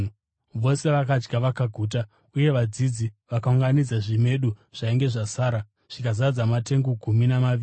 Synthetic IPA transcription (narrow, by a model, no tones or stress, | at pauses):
ʋo̞se̞ʋakad͡ʒɡaʋakaɡʱuːt̬a | uje̞ʋad͡zid͡ziʋakauŋɡanid͡zaʐime̞ɗuʐ̥aiŋɡe̞ʐasaːɾa | ʐ̥ikazad͡zamate̞ŋɡoɡʱuminamaʋiː